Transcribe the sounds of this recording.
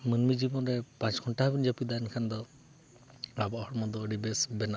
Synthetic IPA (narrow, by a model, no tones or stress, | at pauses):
mənmid͡ʒibɔnɾɛpãt͡ʃkʰɔɳʈabind͡ʒapid̪aɛnkʰand̪ɔ | abɔhɔɾmɔd̪ɔəɖibɛsbɛna